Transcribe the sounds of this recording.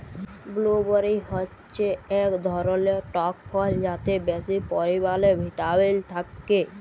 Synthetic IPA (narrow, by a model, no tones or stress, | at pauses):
blobɔɾiɦɔtːt͡ʃeɛkd̪ʱɔɾoleʈɔk̚pʰɔld͡ʒat̪ebɛsipɔɾibalebʱiʈabelt̪ʰakːe